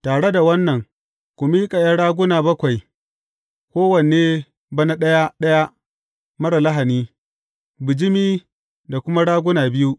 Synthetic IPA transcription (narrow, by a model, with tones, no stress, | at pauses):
taː˨ɽe˦da˨wɐ˦nːɐ˨ŋ | kʷʊ˨miː˦kʼa˨jɐ˦ɽaː˦ɡʷʊ˦naː˨bɐ˦kʷa˨j | kʷoː˦wɐ˨n˨eː˦ | bɐ˦na˦ɗɐ˦ja˦ɗɐ˦ja˦ | mɐ˦ɽa˨la˦ɦa˨niː˦ | bɪ˨d͡ʒɪ˦miː˦ | da˨kʷʊ˦ma˦ɽaː˦ɡʷʊ˦naː˨bɪ˦ju˦ʔ